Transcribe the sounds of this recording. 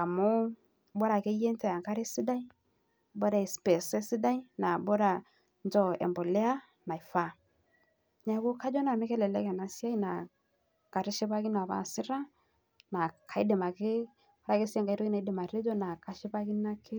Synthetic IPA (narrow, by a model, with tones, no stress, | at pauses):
a˨mu˦ | bɔ˦ɾa˨ke˦je˦ntɛ˨ja˨ŋɡa˦ɾe˦si˦da˦i˦ | bɔ˦da˨i˨spɛ˨sɛ˦si˦da˦i˦na˨bɔ˦ɾa˨ | nd͡ʒɔ˦ɛ̰˨mbɔ˨lɛ˦a˦ | na˨i˨fa˦˨ | ɲa˦ɡʊ˦ka˦d͡ʒɔ˦na˨mi˦kɛ˦lɛ˨lɛ˦kɛ˨na˨si˦a˦i˦na˨ | ka˨ɾi˦ʃi˦ba˦ɡi˦n˨a˨ba̰˦˨si˦ɾa˦ | na˨kʰa˨i˦dɪ˨ma˨kɪ˦ | ɔ˦ɾa˨ke˦si˦ɛ˦ŋɡa˨˦i˦ɾɔ˦ɡi˦na˨i˦di˨ma˨ɾe˦d͡ʒɔ˦na˨ka˦ʃi˦ba˦ɡi˦na˦kʰɪ˦